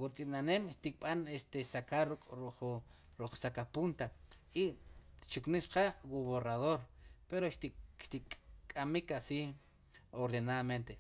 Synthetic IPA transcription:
wut͡sʼinanemʃt̪ik̚ɓanest̪esakaɾukʼɾuχ | ɾuq͡χsakapunt̪ait͡ʃukniʃqawuβoraðoɾpeɾoʃt̪iʃt̪ikʼamikasi | oɾðenaðament̪e

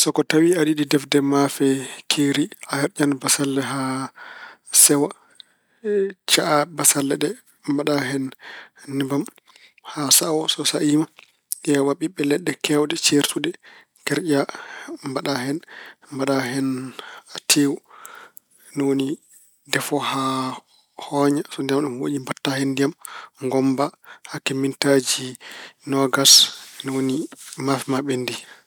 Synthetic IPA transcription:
sɔkɔtawiaɗiɗidɛfdɛmafɛkʰeɾiahɛɾd͡ʒanbasalːɛɦa | sɛwa | t͡ʃaʔabasalːɛɗɛ | mbaɗaɦɛnː | ibam | hasawɔsɔsaʔiːma | ʔɛwaɓiɓːɛlɛɗːɛkɛwdɛt͡ʃeɾsuɗɛ | kɛɾd͡ʒambaɗahɛnmbaɗaɦɛnatʰeːwu | nɔwoni | dɛfɔha | hɔːɲasɔndiamɗumho̰ːʔimbatːahɛndijamŋɡɔmbahakemːintad͡ʒinɔɡasnwonimafimaɓendi

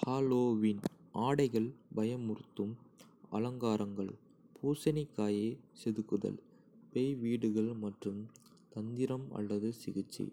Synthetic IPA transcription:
haːloːʋɪnʔaːɽɐɪɣɐɭbɐjɐmʊɾɯt̪ːɯm | ɐlɐŋɡaːɾɐŋɡɐɭ | pʰuːsɐnɪkːaːjeːsɛðɯkːɯðɐ̰l | pɛjʋiːɽɯɣɐɭmɐʈrɯm | t̪ɐnd̪ɪɾɐmɐ̰ɭːɐðɯsɪɣɪt͡ʃːḭ

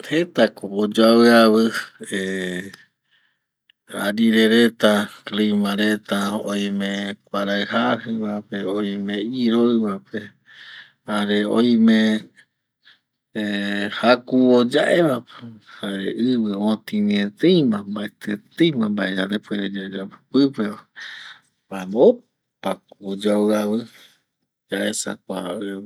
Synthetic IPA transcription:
het̪akoʔːd͡ʒaβɨaβɨe | aɾiɾeɾet̪aklimãɾet̪aoj̃mẽkʷaɾaɨhahɨβapeoj̃mẽiɾoɨβape | haɾeo̰j̃mẽ | hakuod͡ʒaʔeβape̥haɾḛʔɨβɨot̪ĩnĩẽt̪ejmãmbaet̪ʰet̪ejmãmbaed͡ʒad̪epweɾed͡ʒad͡ʒappɨpea | bamo | pakod͡ʒawaβɨ | d͡ʒaesa̰k̚ʷaɨ

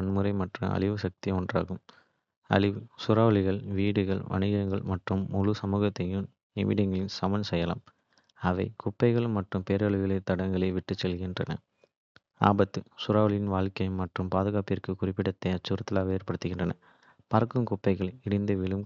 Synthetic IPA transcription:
ɐnmɯɾɐɪmɐʈrɐ̰ɐ̰ɭɪʋɯsɐk̚t̪ɪɔndra̰ːɣɯm | ɐ̰ɭɪʋɯsʊɾaːʋɐɭɪɣɐɭʋiːɽɯɣɐɭʋɐ̰ɳɪɣɐŋɡɐɭmɐʈrɯmʊɻusɐmuːɣɐt̪ːɐjɯm | ɪ̰ʋɪɽɪŋɡɐɭɪnsɐmɐnsɛjɐlɐ̰m | ɐʋɐɪkʊpːɐɪɣɐɭmɐʈrɯmpeːɾɐɭɯɣɐɭɐt̪ɐɽɐŋɡɐɭɐɪʋɪʈːɯt͡ʃːɛlɣɪndrɐnɐ̰ | a̰ːbɐt̪ːɯsʊɾaːʋɐɭɪjɪnʋaːɭkɐjɯmːɐʈrɯmpaːðɯɣaːpɪrkɯkʊrɪpːɪɽɐt̪ːɐɪɐt͡ʃːɯɾɐt̪ːɪlaːʋeːrpɐɽɯt̪ːɯɣɪndrɐnɐ | pɐɾkɯmkʊpːɐɪɣɐɭɪɽɪnd̪ɐʋɪɭɯm

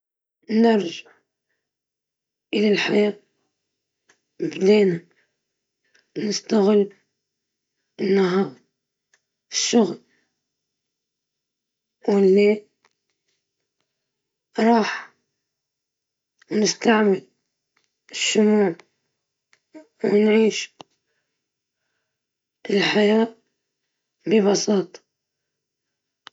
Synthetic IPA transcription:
nɑɾˤʒaʕ | ʔɪlalħajaː | mɪbd̪eːna | nɪst̪aɣɪlː | ɪnːaɦɑːɾˤ | ʃːʊɣl | wɪlːi | ɾˤɑːħ | nɪst̪aʕmɪl | ɪʃːʊmuːʕ | wnʕiːʃ | ɪlħajaː | bɪbɑsɑːt̪ˤɑ̥

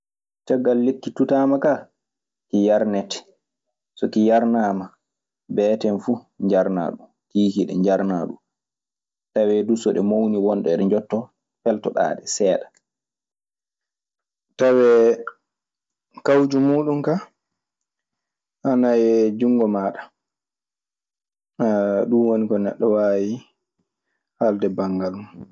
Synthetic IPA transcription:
tɛɡːalːekːitutaːmaka | kijaɾnɛtɛ̥ | sɔkijaɾnaːma | bɛːtɛnfu | ɲd͡ʒaɾna̰ɗum | kiːkiɗɛ̰ɲd͡ʒaɾna̰ɗum | tawɛdusɔɗɛmowniwɔnɗɛɗɛnd͡ʒɔtːɔ | fɛltɔɗa̰ːɗɛsɛːɗḁ | tawɛ | kawd͡ʒumuːɗumka | ʔanajɛd͡ʒuŋɡɔmaːɗa | aɗunwonikɔnɛ̰ɗːɔwaːji | haldɛbaŋɡalmu

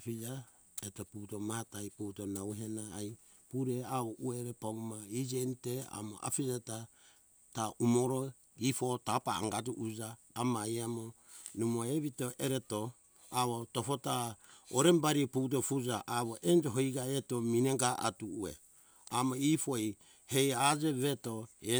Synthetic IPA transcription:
pid͡ʒa | etoputomahatajputonawɦenaːj | puɾeaβoʔueɾepaumaid͡ʒentea̰mo̰ʔa̰pid͡ʒata | taumoɾo | ipotapaa̰ŋɡatuʔud͡ʒaː | majamo | numoeβitoʔeɾeto | aβotopotaoɾembaɾiput̬ofud͡ʒaʔaβoʔend͡ʒoɦojɡaetomineŋɡaʔa̰tuːḛ | amoipoj | hejad͡ʒeβetoe

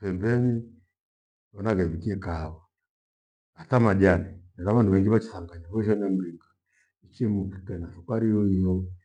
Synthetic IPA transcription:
pɛmbɛni | ɔnaɡamikiɛkaːwa | atamaʄanɛnɛɾaβanduβɛŋɡiβat͡ʃi̥saŋɡaɲaβɔʃɔnam̩ɾikḁ | it͡ʃimuki̥kɛnasukaɾiɔijɔ

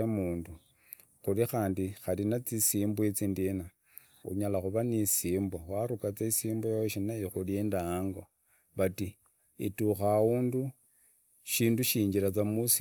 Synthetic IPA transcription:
amuːndu | xuɾixaːndixalinat͡sisiːmbwet͡sindina | ṵɲalaxuβanisiːmboxwaɾukat͡saisiːmbojaoʃinajixuleːndaŋɡo | βati | ḭtuxawuːndu | ʃiːnduʃiːɲd͡ʒiɾat͡samusi

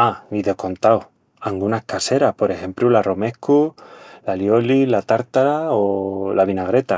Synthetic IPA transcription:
aiðeko̞nt̪aw | aŋɡunahkase̞ɾahpo̞ɾe̞he̞mpɾularo̞me̞hkulaljo̞lilat̪aɾt̪aɾaolaβ̞inaɣ̞ɾe̞t̪a

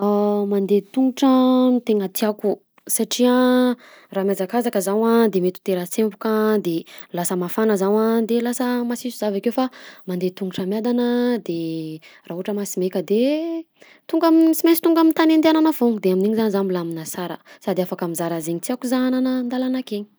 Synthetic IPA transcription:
amand̪et̪uŋɡuʈ͡ʂət̪eŋət̪iaku | saʈ͡ʂia | raːmjazakazakəzawad̪emet̪u̥t̪eɾət͡sempukad̪elasəmafanəzawad̪elasəmasisuzavakewfamand̪et̪uŋuʈ͡ʂəmjad̪anəd̪eraːuaʈ͡ʂəmasimekəd̪e | t̪uŋɡamisimet͡sit̪uŋɡamint̪anend̪eananəv̥oŋud̪eamineɲizanizambilaminasaɾə̰sad̪eafakamizaɾazeɲit̪akuzaananənd̪alanakeɲi̥

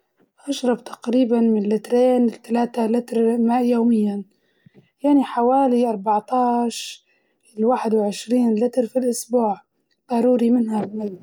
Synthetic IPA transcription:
ʔaʃɾˤɑbt̪ʰḁqɾiːbanmɪnlːɪt̪ɾeːnɪlt̪alaːt̪alɪt̪ɾmaːʔjoːmɪjːan | jaʕniħawaːliʔɑɾˤbɑʕt̪ɑːʃ | ɪlwaːħɪd̪wʕɪʃɾiːnlɪt̪ɾfilʔʊsbuːʕ | b̪̥ɑɾuːɾimɪnhamal

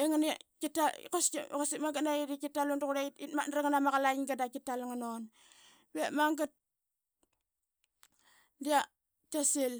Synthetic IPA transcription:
eŋanikitakoskosimaŋɡatnaiɾikitalonduɣuɾeitit̚ma̰naɾaŋanamaɣalaiŋɡadakitalŋanon | βemaŋɡat̚ | dia | kasil

